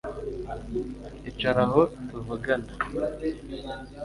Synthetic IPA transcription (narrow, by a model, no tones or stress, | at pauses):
it͡ʃaɾaɦot̪uvuɡana